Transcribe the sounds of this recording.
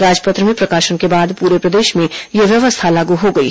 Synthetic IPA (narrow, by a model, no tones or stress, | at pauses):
ɾaːd͡ʒpət̪ɾəmẽpɾɐkaːʃənkebaːd̪puːɾepɾɐd̪eːʃmẽjeʋjɐʋəst̪ʰalaːɡuɦoɡɐḭ